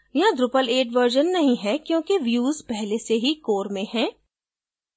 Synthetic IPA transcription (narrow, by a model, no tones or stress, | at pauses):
jɐãd̪ɾʊpəleːʈʋəɾʒənːɐɦĩɦɛkjõːkiʋjuːzpɛɦleseɦikoːɾmẽhɛ̃ː